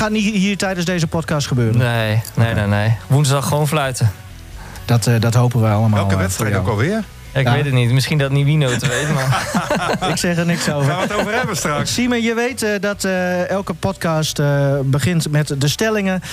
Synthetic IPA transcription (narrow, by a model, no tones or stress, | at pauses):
χanihiːrtɛjdənsdeːzəpɔtkastχəbøːrənejnejnɛnejʋuntɔxəʋoːnflœɥtə | d̥ɔtdɔtɦowpəʋəalˠəmaɛlːlˠkʋɛstfɾɛjkɔlˠʋɪər | jaɪkʋɪtətnitmɪsχindɔtniʋinoːtəʋejtənma | ɪksɛxdənɪksoːvəatovəɛbəstrakssiməjəʋejtdɔtɛlˠkəpɔtkastbəχɪntmɛtdəstɛlɪŋə